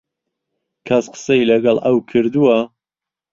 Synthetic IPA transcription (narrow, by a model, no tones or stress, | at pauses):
kʰɐsqə̥sɐjlɐɡɐlˠʔɐwkʰɨɾd̪uwɐ